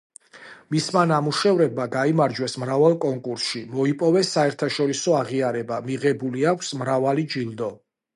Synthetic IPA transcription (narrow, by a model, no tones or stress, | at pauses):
mismanamuʃɛvɾɛbmaɡaimaɾd͡ʒwɛsmɾavalˠkʼɔŋkʼuɾsʃimɔipʼɔvɛsːaɛɾt̪ʰaʃɔɾisɔaʁiaɾɛbamiʁɛbuliakʷʰsmɾavalid͡ʒilˠd̪ɔ